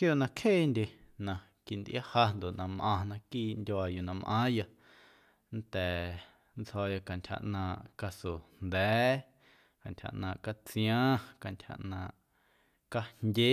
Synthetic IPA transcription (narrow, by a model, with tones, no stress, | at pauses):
kjoː˦˨ʔnã˧kʰheː˦˨ndʲe˧nã˧ | ki˧˨nd̪ʔa˦ha˧nd̪o˨ʔnã˧mʔã˧nã˧kiː˦ndʲo˧a˧ju˨nã˧mʔã̰ː˦ja˧ | nt̪ɛː˨ | nt͡shɔː˧ja˧ka˨ntʲʰha̰˧˨ʔnãː˧ʔka˧so˨nd̪ɛː˨˦ | ka˨ntʲha̰˨ʔnãː˧˨ʔka˧t͡sij̃ãː˦ka˨ntʲʰha̰˨ʔnãː˧˨ʔ | ka˧ndʲe˦